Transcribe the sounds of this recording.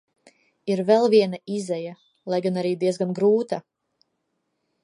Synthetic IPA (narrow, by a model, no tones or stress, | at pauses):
iɾvɛlˠviɛnaizɛja | lˠajɡanaɾiːd̪iɛzɡanɡɾuːt̪a